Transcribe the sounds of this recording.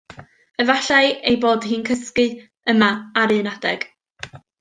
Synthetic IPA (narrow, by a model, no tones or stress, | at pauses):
əvaɬaɨejboːdhɨːnkʰəskɨ | əmaaɾɨnadɛɡ̥